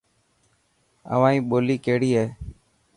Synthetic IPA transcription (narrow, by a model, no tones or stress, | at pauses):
ə̰ʋãːĩːɓoːliːkeːɽiːɦeː